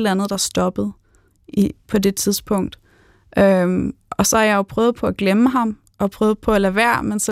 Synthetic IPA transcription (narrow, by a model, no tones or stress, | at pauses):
lænð̩ˠd̥ɑ̈sd̥ɒ̽b̥əð̞̩ˠ | ipʰɒ̽de̝t͡sʰiðˠsb̥ʰɔ̽ŋ̰d̥ | ʔøm | ɒ̽sɒ̽hɑjɑ̈joʊpʰʁœːʊð̞̩ˠpʰɒ̽æɡ̥leməɦɑ̈m | ʔɒ̽pʰʁœːð̞̩ˠpʰɒ̽ælæːʋæɐ̰mensɒ